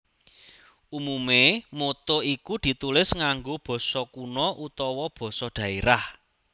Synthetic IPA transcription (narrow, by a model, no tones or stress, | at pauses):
umumemot̪oikud̪̥i̤t̪ulɪsŋaŋɡob̥ɔ̤sɔkunɔʔut̪ɔwɔb̥ɔ̤sɔɖ̪̥ä̤eɾah